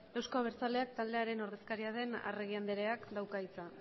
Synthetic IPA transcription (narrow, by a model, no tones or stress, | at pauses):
ewskoaβ̞e̞ɾt͡sald̪e̞ak̚t̪ald̪e̞aɾe̞no̞ɾðe̞skaɾiað̞e̞na̰reɣ̞iand̪e̞ɾe̞akd̪awkait͡sa